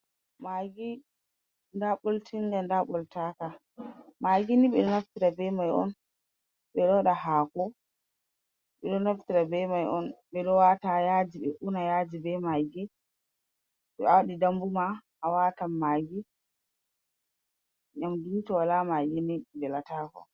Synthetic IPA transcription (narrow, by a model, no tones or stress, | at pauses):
maɡi | ndaɓoltʰindɛndaɓɔltaka | maɡiniɓɛɗɔnaftiɾabɛmajɔ̰n | ɓɛɗɔɗaɦaːkɔ | ɓɛɗɔnaftiɾabɛmajʔɔnɓɛɗɔwatajad͡ʒiɓɛʔunajad͡ʒibɛmaɡi | ɓɛawɗidambumaʔːwatamːaɡi | ɲamdintɔwalamaɡinibɛlataːkɔ̰